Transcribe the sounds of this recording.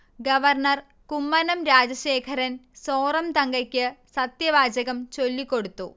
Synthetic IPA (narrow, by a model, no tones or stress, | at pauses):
ɡɐʋɐrɳɐr | kumːɐnɐmɾaːd͡ʑɐɕe̞ːkʰɐɾɐnsoːrɐmt̪ɐŋɡɐkʲːɨsɐt̪jɐʋaːd͡ʑɐɣɐmt͡ɕo̞lːikːo̞ɽut̪ːṵ